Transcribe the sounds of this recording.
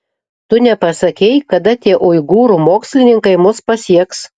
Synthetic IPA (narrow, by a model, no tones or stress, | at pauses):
t̪ʊnʲɛpɐsɐkʲɛɪkɐd̪ɐt̪ʲiɛʔʊɪɡuːɾuːmoːksʲlʲɪnʲɪŋkɐɪmʊspɐsʲiɛks